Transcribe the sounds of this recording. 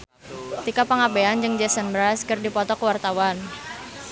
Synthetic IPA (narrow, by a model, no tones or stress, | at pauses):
t̪ikapaŋabeand͡ʒɨŋd͡ʒɛsənbɾaskɨrdipɔt̪ɔkəwart̪awan